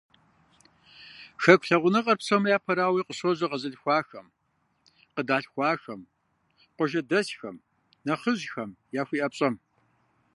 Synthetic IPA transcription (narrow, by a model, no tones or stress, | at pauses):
ʃɐkʷʰɬɐʁʷʊnɐqʼɐrpɕɐmjaːpʰɐɾaːwiːqəɕozɐqɐzɐɬxʷɑːxɐm | qədaːɬxʷɑːxɐm | qʷɔʒɐdɐsxɐ̰m | nɐχəʑxɐmjaːxʷiːʔɐpɕʼɐm